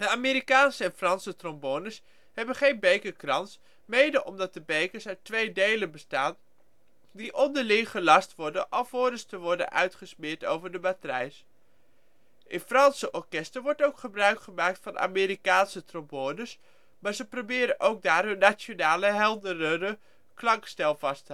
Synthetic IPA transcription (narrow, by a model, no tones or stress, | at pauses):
d̥əaːmiːɾikaːnsəɛnfrɑnsətrɔmbonəs | hɛbənχejnbejkəkrɑns | mejdəʔɔmdɑt̚dəbejkəɹsœɥtʋejdejlənbəstaːn | diʔɔndəɹlɪŋχəlɑstʋɔɹdənʔɑlˠvʊːdəstəʋɔɹdə̰nʔœ̰ɥtχəsmɪːɹto̰wvəɹdəmatrɛjs | ʔɪnfrɑnsəʔɔɹkɛstəɹʋɔɹtowkχəbrœɥkχəmaːk̚tfɑnʔa̰ːmeːɾikaːnsətrɔmbonəs | maːɹzəprobɪːɾənʔowɡ̚daːɹɦɵnːat͡ʃonaːləɦɛlˠdərəɾə | klɑŋkstɛlˠvɑstə